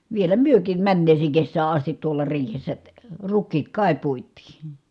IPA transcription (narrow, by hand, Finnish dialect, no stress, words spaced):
ʋielæ myøkiːm mænːeːseːŋ kesːæː ɑstit tuolɑ riːhesːæ rukˑiːt kɑˑi puitˑiː